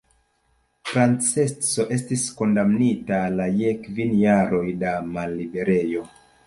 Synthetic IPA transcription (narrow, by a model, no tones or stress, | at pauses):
fɾant͡set͡so̞ʔe̞stisko̞ndamnitalajekvinjaɾo̞jdamalːibe̞ɾe̞jo̞